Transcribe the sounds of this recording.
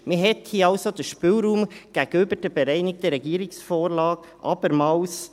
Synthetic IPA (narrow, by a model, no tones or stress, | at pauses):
mɪɦɛt̪hiəɑwsod̥̪əʃpɪlɾuːmɡ̥æɡ̥əøbəɾd̥əbɛɾæɪnɪk̚t̪əɾɛɡiəɾɪksfoːɾlɑːɡʔɑ̰b̥əɾmɑːws